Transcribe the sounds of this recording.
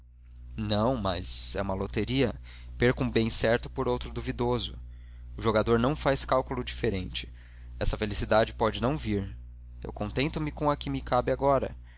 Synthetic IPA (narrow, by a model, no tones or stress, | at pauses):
nɐ̃w̃mɐ̰z̥ɛũmɐlot̪eɾiɐ | peɾkũbẽj̃sɛɾt̪ʊ̥poɾowt̪ɾʊd̪uvid̪ozʊ | ʊʒoɡad̪oɾnɐ̃w̃fajskawkulʊd͡ʒifeɾẽnt͡ʃɪ̥ | ɛsɐfelisid̪ad͡ʒɪpɔd͡ʒɪnɐ̃w̃viɾ | ḛwkõnt̪ẽnt̪ʊmɪkõɐkɪmɪkabɪaɡɔɾɐ̰